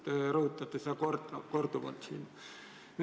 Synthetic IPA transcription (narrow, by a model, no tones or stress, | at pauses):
t̪ruːt̪ːɑt̪ːɑst̪ækort̪ɑkort̪uʋɑ̰lt̪sḭːn | n